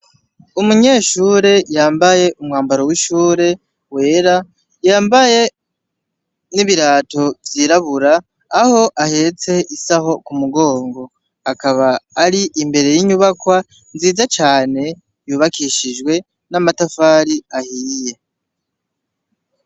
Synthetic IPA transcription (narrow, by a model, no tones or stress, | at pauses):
umuɲe̞ːʃuːɾe̞jaːmbaje̞ʔumŋaːmbaɾowiʃuːɾe̞ | we̞ːɾa | jaːmbaje̞ | niβiɾaːto̞vjiːɾaβuɾaː | ho̞ʔahe̞t͡se̞ʔisaɦo̞kumuɡo̞ːŋɡo̞ | akaβaːɾiʔimbe̞ɾe̞jiɲuβakwa | nziːzat͡ʃaːne̞ | juːβakiːʃiʒwe̞ | namatafaːɾiahiːje̞